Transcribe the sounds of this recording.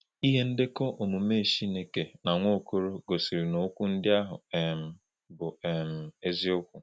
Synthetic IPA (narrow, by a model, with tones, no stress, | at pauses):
i˦ɦe˦n̩˦dɪ˦kɔ˦ʔo˨mu˨me˦˨ʃi˦ne˨ke˨na˨ŋʷo˦˨ko˦ɾo˦ɡo˨si˨ɾi˨no˨˦kʷu˦n̩˦dɪ˦a˦ɦʊ̰˨˦˨m̩˨ | bʊ˨e˨m̩˨e˦zi˦ʊ˦kʷu˨